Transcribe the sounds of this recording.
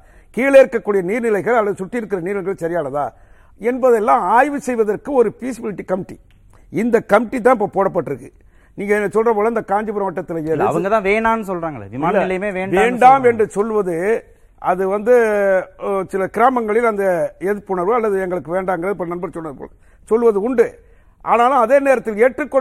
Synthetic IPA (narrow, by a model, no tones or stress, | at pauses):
kiːlɐɪɾɯkːɐkːuːɽɪjɐniːɾnɪlɐɪɣɐɭɐlːɐðɯsʊʈːɪɪɾɯkːɪɾɐniːɾnɪlɐɣɐɭsɐɾɪjaːnɐt̪ã̰ː | ɛnbɐðɛlːãːaːjʋɯsɛjʋɐðɐrkɯɔɾɯpiːsɪbɪlɪʈːikɐmɪʈːḭ | ɪnd̪ɐkːɐmɪʈːit̪̬ːãːɪp̬ːoːpoːɽɐp̬ːɐʈːɯɾɯkːɯ | niːŋɡɐnːɐsɔlrɐpoːɭɐɪnd̪ɐkaːɲd͡ʒɯpɪɾɐʋɐʈːɐt̪ːɪlɐjeːðɯɐʋɐŋɡɐt̪ãːʋeːɳaːnːɯsɔlɾaːŋɡɐɭ̰ʋɪmaːlːlːɐjɯmeːʋeːɳɖʋaeːɳɖaːmɛɳɖrɯsɔlːʋɐðɯ | ʔɐðɯʋɐnd̪ɯ | sɪlɐkɪɾaːmɐŋɡɐɭɪlɐnd̪ɐɛðɯpːʊɳɐɾʋɯɐlːɐðɯɛŋɡɐɭɯkːɯʋeːɳɖaːŋɡɐɾɐðɯpːɐɐnːɐnbɐɾsɔnːɐɐpo̰ːlɐ | sɔlːʋɐðɯʊɳɖɯ | ʔa̰ːnaːlũɐðeːneːɾɐt̪ːɪleːʈrɯkːɔ